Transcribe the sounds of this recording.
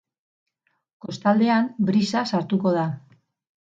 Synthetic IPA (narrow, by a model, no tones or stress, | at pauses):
ko̞st̪ald̪e̞ambɾisasaɾt̪uko̞ð̞a